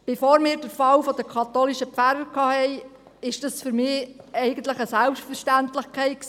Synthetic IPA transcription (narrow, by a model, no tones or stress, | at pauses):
b̥efoːɾmɪːɾd̥əɾfɑlfod̥əkʰɑt̪oliʃəpfæɾəɾkʰɑːhɛɪ | ɪʃd̥ɑsfʏɾmɪːɛɪɡənt̪ləχəsælpʃtfəɾʃtænt̪ləχkχɛɪt̚ks